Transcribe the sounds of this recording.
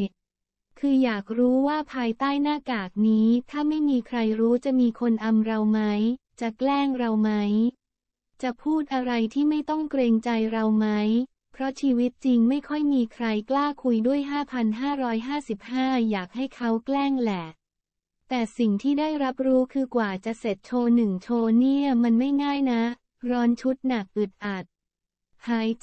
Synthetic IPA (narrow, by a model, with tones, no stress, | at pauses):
kʰɯː˧jaː˨˩k̚ɾuː˦˥waː˥˩pʰaː˧jt̪aː˥˩jnaː˥˩kaː˨˩k̚niː˦˥t̪ʰaː˥˩ma˥˩jmiː˧kʰɾa˧jɾuː˦˥t͡ɕa˨˩miː˧kʰo˧nʔa˧mɾa˧wma˦˥j | t͡ɕa˨˩klɛː˥˩ŋɾa˧wma˦˥j | t͡ɕa˨˩pʰuː˥˩t̪̚ʔa˧ɾa˧jt̪ʰiː˥˩ma˥˩jt̪ɔ˥˩ŋkɾeː˧ŋt͡ɕa˧jɾa˧wma˦˥j | pʰɾɔ˦˥t͡ɕʰiː˧wi˦˥t̪̚t͡ɕi˧ŋma˥˩jkʰɔ˥˩jmiː˧kʰɾa˧jklaː˥˩kʰu˧jdu˥˩əjɦaː˥˩pʰa˧nɦaː˥˩ɾɔː˦˥jɦaː˥˩si˨˩p̚haː˥˩jaː˨˩k̚ha˥˩jkʰa˦˥wklɛː˥˩ŋlɛ˨˩ | t̪ɛː˨˩si˨˩ŋt̪ʰiː˥˩daː˥˩jɾa˦˥p̚ɾuː˦˥kʰɯː˧kwaː˨˩t͡ɕa˨˩ʔse˨˩t̪̚t͡ɕʰoː˧nɯ˨˩ŋt͡ɕʰoː˧ni˥˩ɐəma˧nma˥˩jŋaː˥˩jna˦˥ | ɾɔː˦˥nt͡ɕʰu˦˥t̪̚na˨˩k̚ʔɯ˨˩t̪̚ʔa˨˩t̪̚ | haː˨˩˦j